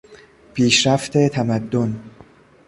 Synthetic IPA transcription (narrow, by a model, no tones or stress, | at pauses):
pʰiːʃɾæft̪ʰe̞t̪ʰæmæd̪ːon